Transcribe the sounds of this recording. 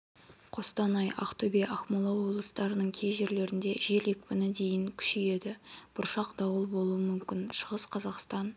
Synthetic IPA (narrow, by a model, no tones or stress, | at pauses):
qʰo̞st̪ɑnɑjʔɑ̰qt̪ʰobeʔɑχmolˠɑwo̞blˠəst̪ɑɾənəɴkʲʰe̞jʒe̞ɾle̞ɾɪnd̪e̞ʒe̞le̞kʲpɪnɪd̪e̞jɪŋkʲʰʏ̥ʃeje̞d̪ɪb̥ʊɾʃɑqd̪ɑwəlˠbo̞lˠuəmʏmkʲɪnʃəʁəsqʰɑzɑqst̪ɑn